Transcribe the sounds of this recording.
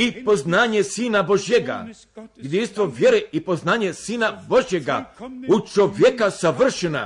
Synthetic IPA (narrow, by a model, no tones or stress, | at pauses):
ipo̞znaːɲesiːnabo̞ʒjeɡa̰ | jed̪inst̪ʋo̞ʋjeɾeipo̞znaːɲesiːnabo̞ʒje̞ɡa̰ut͡ʃo̞ʋjekasaʋr̩ʃena̰